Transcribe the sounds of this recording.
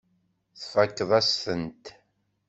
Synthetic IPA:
θfækːðˤæsθənt̪

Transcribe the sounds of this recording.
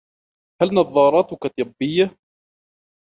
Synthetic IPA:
halnɑðˤːɑːɾˤɑːt̪ʊkat̪ˤɨbːɪjːa

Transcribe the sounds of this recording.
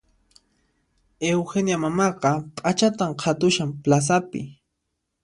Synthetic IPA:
ewxenjamamɑqɑpʼat͡ʃat̪amqʰat̪ʊʃamplas̬apɪ̰

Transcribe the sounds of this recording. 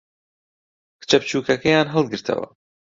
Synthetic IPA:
kɨ̥t͡ʃɐp̚t͡ʃuːkɐkɐjaːnɦɐlˠɡɨɾt̪ʰɐ̰wɐ̰

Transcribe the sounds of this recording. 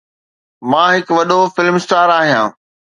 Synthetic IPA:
mãːɦɪkʋɐɗofɪlmsʈaːɾaːɦijãː

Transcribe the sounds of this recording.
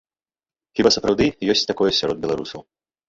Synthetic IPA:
xʲibasɐpɾawd̪ɨjɔsʲt͡sʲt̪akɔjɛsʲaɾɔd̪̚bʲɛlˠaɾṵsɐ̰w

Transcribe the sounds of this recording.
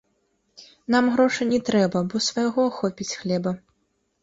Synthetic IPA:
namɣɾɔʂɨnʲɛt̪ɾɛbɐbɔsvɐjaɣɔxɔpʲit͡sʲxlʲɛbɐ

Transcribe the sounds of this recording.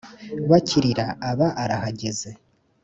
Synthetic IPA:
βacʰiɾiɾaːβaʔaɾahaɟe̞ze̞

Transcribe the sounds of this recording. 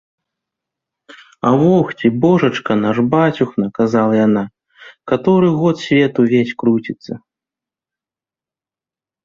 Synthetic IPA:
ɐwɔxt͡sʲibɔʐɐt͡ʂkɐnaʐbat͡sʲuxnɐkazalˠɐjana | kat̪ɔɾɨɣɔt̪sʲvʲɛt̪uvʲesʲkɾut͡sʲit̪sːɐ

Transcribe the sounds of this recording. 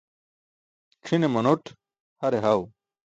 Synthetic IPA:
ʈ͡ʂʰinemɐnoʈʰ | hɐɾeɦɐw

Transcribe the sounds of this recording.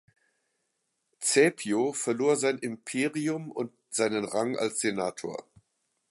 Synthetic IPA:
t͡sɛpʰjofɛɐloːɐzaɪnʔɪmpʰeːʁiʊmʊnt̚ | z̥aɪnənʁaŋa̰lsz̥enaːtʰo̰ːɐ

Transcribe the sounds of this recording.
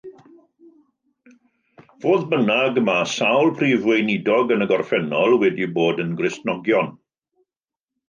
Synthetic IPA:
v̥oːðbənaɡəmasawlˠpʰriːvwejnɪdɔɡənəɡɔrfɛnɔlˠwɛdiboːdənɡrɪstnɔɡjɔn

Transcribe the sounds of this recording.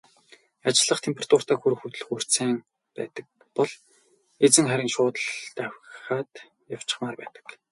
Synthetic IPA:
at͡ɕɪ̆ɮə̆χt̪ʰempʰerat̪ʰʊr̥t̪ʰaːxuɾ̆xut̪ɵ̆ɮɵ̆xur̥t͡seːŋ | pæ̰ːt̪ə̆k̚ | pɔɮ | et͡sɘ̆ŋχæɾʲɪ̆ŋʃʊːt̪ə̆ɮt̪æwʲχaːt̪ | jaw̥t͡ɕɪ̥̆χmaːrpæ̰ːt̪ə̥̆k

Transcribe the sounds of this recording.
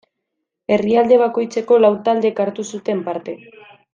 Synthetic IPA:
e̞riald̪e̞β̞ako̞jt͡se̞ko̞lawt̪ald̪e̞kaɾt̪usut̪e̞mpaɾt̪e̞

